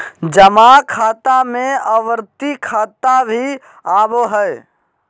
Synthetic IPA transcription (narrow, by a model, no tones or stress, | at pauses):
d͡ʒəmakʰaːt̪amẽəʋɾt̪ikʰaːt̪abʱi | aboɦə